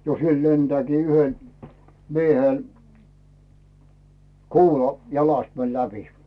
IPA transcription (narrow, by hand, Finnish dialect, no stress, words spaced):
jo siel lentĕæːkiː yhen mieheˑl kuːlɑ jɑlɑst mɛl læpi